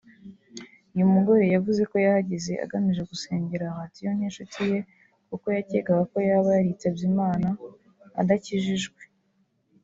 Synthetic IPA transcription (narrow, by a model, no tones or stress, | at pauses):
ujumuɡo̞ɾe̞javuze̞ko̞jahaɟeze̞ʔa̰ɡamiʒe̞ɡuse̞ːɲɟe̞ɾahatijon̥enʃutʰije̞ | kuko̞jaceɡaɡako̞jaβajaɾit͡sebjiːmaːna | a̰daciʒiʒɡwe̞̥